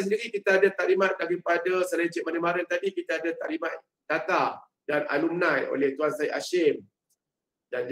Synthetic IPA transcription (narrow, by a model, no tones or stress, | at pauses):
s̬əndiɾikit̪aadat̪aʔlimat̪̚daɾipadasəlaint͡ʃɛʔ̚manəmaɾənt̪adikit̪aadat̪aʔlimat̪̚ | d̥at̪a | dana̰lumnãjo̰lɛht̪uansaiʔaʃɛm | dand͡ʒ